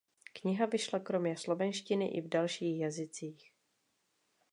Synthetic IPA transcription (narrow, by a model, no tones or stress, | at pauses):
kɲɪɦavɪʃlakɾo̞mɲɛslo̞vɛnʃcɪnɪʔɪvdalʃiːxjazɪt͡siːx